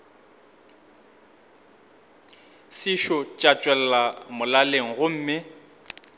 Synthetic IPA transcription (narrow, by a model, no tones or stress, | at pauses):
sɪʃɔt͡ʃʼat͡ʃʼwɛlɛlamʊlaleŋ̩ɣʊm̩ːmɪ